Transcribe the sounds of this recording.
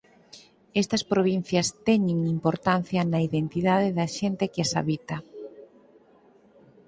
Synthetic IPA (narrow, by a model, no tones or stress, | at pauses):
est̪ɐspɾoβ̞in̟θjɐst̪ɛɲeŋimpoɾt̪an̟θjɐnɐiðent̪iðaðɪðɐʃent̪ekɪasa̰βit̪ɐ